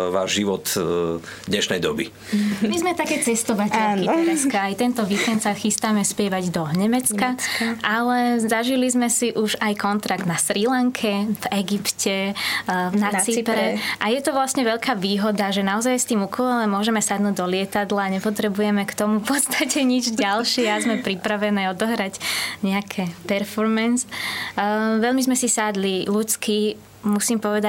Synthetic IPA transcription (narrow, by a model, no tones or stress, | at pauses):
ʋa̰ːʒʒiʋɔt̪ | d̪ɲɛʃnɛjd̪ɔ̰bḭ | mizmɛt̪akɛːt͡sɛst̪ɔʋaɟaniɾɛskaːjt̪ɛnt̪ɔʋiːkɛnt̪saxist̪amɛspɪɛʋaɟd̪ɔɲɛmɛt͡skaʔalɛzaʒilizmɛsiʔuʒajkɔnt̪ɾaɡd̪nasɾilaŋkʰɛvɛɡipcɛ | nat͡sipɾɛʔajɛt̪ɔʋlasɲɛʋɛʎkaːʋiːɦɔd̪aʒɛnaɔzajst̪iːmukɔlɛmʊɔʒɛmɛsad̪nuːɟ̚d̪ɔlɪɛt̪ad̪laːɲɛpɔt̪ɾɛbujɛmɛkt̪ɔmufpɔt̪st̪acɛɲid͡ʒɟalʃɪɛazmɛpɾipɾaʋɛnɛːɔd̪ɔɦɾaɟɲɛakʰɛpɛɾfɔɾmɛns | ʋɛʎmizmɛsisad̪lilut͡ski | musiːmpɔʋɛd̪a